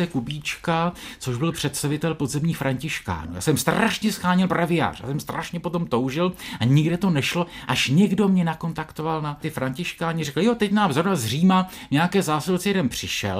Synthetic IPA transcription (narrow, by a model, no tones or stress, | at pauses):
ɛkubiːt͡ʃkat͡so̞ʒbɪlpr̝̥ɛt̪st̪avɪt̪ɛlpod̪zɛmɲiːfɾʔaɲcɪʃka̰ːnṵja̰ːsɛmst̪ɾaʃɲɛsxaːɲɪlbrɛvɪja̰ːr̥ja̰ːsɛmst̪ɾa̰ʃɲɛpo̞t̪o̞mt̪o̞wʒɪlʔaɲɪɡdɛt̪o̞nɛʃlo̞ʔaʃɲɛɡdo̞mɲɛnako̞nt̪akt̪o̞valnat̪ɪfɾaɲcɪʃkaːɲɪrɛkljot̪ɛcnaːzɾonazriːma | ɲɛakɛːzaːsult͡sɪjɛdɛmpr̝̥ɪʃɛ̰l